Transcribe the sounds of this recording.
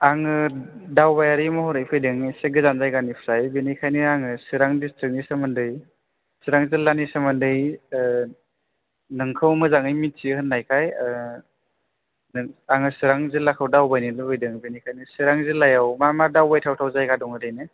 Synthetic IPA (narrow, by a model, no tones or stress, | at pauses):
aŋɯdawbajaɾimɔhɔɾɯjpʰɯjdɯŋiseɡɯzanzajɡanipʰɾajbenikʰajnɯaŋɯsɯɾaŋdistɾik̚nisɯmɯndɯj | sɯɾaŋzɯlːanisɯmɯndɯj | nɯŋkʰɯwmɯzaŋɯjmisihɯnːajkʰaj | nɯaŋɯsɯɾaŋzɯlakʰɯwdawbajnilɯbɯjdɯŋbenikʰajnɯsɯɾaŋzɯlajawmamadawbajtʰawtʰawzajɡadɔŋɯdɯjnɯ